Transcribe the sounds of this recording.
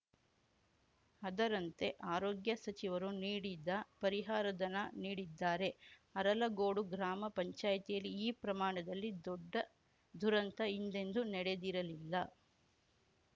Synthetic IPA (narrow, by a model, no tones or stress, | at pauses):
ɐd̪ɐɾɐnt̪e̞ʔaːɾoːɡjɐsɐt͡ʃiʋɐɾuniːɽid̪ɐpɐɾiɦaːɾɐd̪ɐnɐniːɽid̪ːaːɾe̞ɐɾɐlɐɡoːɽuɡɾaːmɐpɐɲt͡ʃaːjɐt̪ijɐlːiːpɾɐmaːɳɐd̪ɐlːid̪ɔɖːɐ | d̪ʱuɾɐnt̪ɐind̪e̞nd̪unɛɽe̞d̪iɾɐlilːɐ